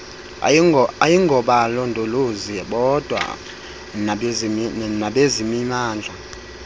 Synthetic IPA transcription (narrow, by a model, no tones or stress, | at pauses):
ajiŋɡʱɔɓalɔndʱʼoluziɓɔd̥ʱwa̰ | naɓezimimaːnd͡ɮʱa